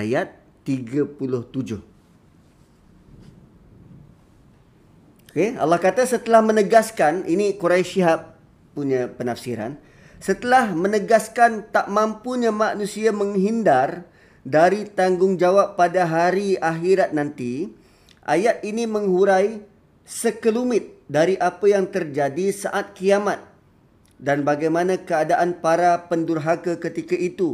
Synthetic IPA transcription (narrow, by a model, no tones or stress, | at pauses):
ajat̪ːiɡapulʊht̪ud͡ʒʊh | okea̰lːahkat̪asət̪əlahmə̃nəɡaskaninĩkuɾajsiɦap̚ | puɲãpənafsiɾa̰n | sət̪əlahmə̃nəɡaskant̪aʔmãmpuɲamãʔnũsiamə̃ŋɦindar | daɾit̪aŋɡʊŋd͡ʒawapːadaɦaɾiaɦiɾat̪̚nãnt̪i | ʔa̰jat̪̚inĩmə̃ŋɦuɾai | səkəlumɪt̪̚daɾiʔapəjaŋt̪ərd͡ʒadisaʔat̪̚kiamat̪̚ | danbaɡajmãnãkəadaʔanpaɾapəndʊrɦaɡakət̪ikaʔit̪u